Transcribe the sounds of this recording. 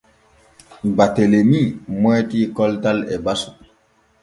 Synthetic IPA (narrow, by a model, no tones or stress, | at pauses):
batelemimwɛːtiːkɔltalɛbasu̥